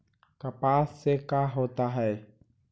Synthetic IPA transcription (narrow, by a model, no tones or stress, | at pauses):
kapasekaɦot̪aɦɛ